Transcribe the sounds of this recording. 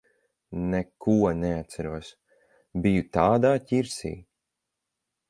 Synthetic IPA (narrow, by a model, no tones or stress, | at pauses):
nekuɔnɛat̪t̪sæɾuɔs | bijut̪aːd̪aːciɾsḭː